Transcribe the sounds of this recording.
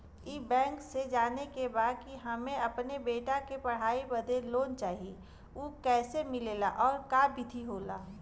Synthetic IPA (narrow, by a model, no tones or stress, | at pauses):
iːbɛ̃ːŋksed͡ʒaːnekebaːd̪̚kiɦɐmẽɐpnebeːʈakepɐɽ̤aːibɐd̪ʱeloːnt͡ʃaːɦie | uːkɛːsemɪleːlaʔɔːɾkabʱɪt̪ʰiɦoːlaː